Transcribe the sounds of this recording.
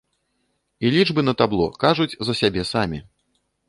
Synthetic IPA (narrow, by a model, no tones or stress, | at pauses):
ilʲiʐbɨnɐt̪ablˠɔ̰kaʐut͡sʲzɐsʲabʲɛsamʲi